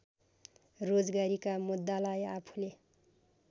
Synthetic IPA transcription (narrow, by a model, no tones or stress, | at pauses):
rod͡zɡaɾikamud̪ːalajapʰu̥le